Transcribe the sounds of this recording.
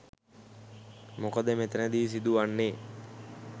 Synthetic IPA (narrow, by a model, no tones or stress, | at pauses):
mokəd̪əmet̪ənəd̪iːs̬id̪uʋanːeː